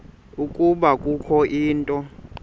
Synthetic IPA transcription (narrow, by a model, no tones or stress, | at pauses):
ukʼuɓakʼukʰɔʔiːntʼɔ